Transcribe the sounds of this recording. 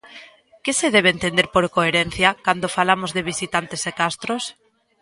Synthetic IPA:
kɪseðɛβeːnt̪end̪eɾpoɾkoeɾɛn̟θjakand̪ofalamozðeβ̞isit̪ant̪esekast̪ɾos

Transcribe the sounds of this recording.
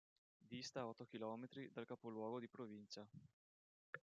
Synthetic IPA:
d̪ist̪aɔt̪ːok̟ilɔːmet̪ɾid̪alkapolwɔːɡod̪ipɾovint͡ʃa

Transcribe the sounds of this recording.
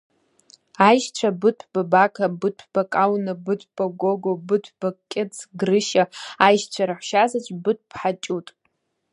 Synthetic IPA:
ajʃt͡ɕʷʰabɨtʷʰb̥abakʰabɨtʷʰb̥akʼawnɨbɨtʷʰb̥aɡʷoɡobɨtʷʰb̥akʲʼːɪt͡sʰɡrɨʃaajʃt͡ɕʷʰaɾaħʷʃazat͡ʃʷʼbɨtʷʰʼpʰħat͡ʃʼutʼ

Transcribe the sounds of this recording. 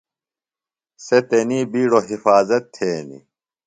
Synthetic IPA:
set̪eniːbiːɽoɦifaːzɐt̪ʰːeːnḭ

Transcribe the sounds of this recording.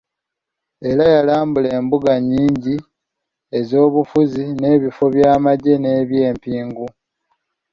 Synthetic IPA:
e̞ɾajalaːmbule̞ːmbuɡaɲːiːɲɟi | e̞zo̞ːβufuzine̞ːβifo̞βjaːmaɟe̞neːβje̞ːmpiːŋɡu

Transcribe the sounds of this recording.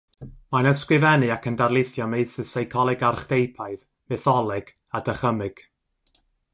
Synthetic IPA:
manəskwɨvɛnɨakʰəndarlˠɪθjɔmejsɪsajkʰɔlˠɛɡarχd̥ejpʰaɨð | mɛθɔlˠɛɡ̥ | adəχəmɨɡ̥

